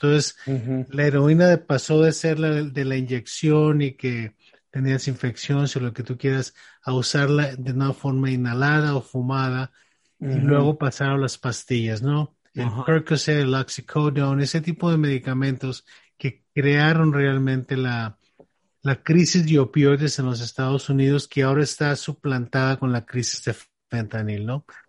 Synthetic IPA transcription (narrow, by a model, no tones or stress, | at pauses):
ent̪o̞nseslae̞ɾo̞inaðepaso̞ðe̞se̞ɾlad̪e̞laind͡ʒe̞ksjo̞nike̞ | t̪e̞niasiɱfe̞ksjo̞nsolo̞ke̞t̪ukje̞ɾas | ausaɾlaðeunafo̞ɾmainalað̞aofumað̞a | ilwe̞ɣo̞pasaɾolaspast̪iʝazno̞ | elkoɾkoselaksikʰowd̪awne̞set̪ipo̞ðe̞me̞ðikamẽnt̪o̞s | ke̞kɾeaɾo̞nrealmẽ̞nt̪e̞la | lakɾisizðjo̞pjo̞jðese̞nlo̞s̬e̞st̪aðo̞suniðo̞skeao̞ɾaest̪asuplant̪aðako̞nlakɾisizðe̞f | fent̪anilno̞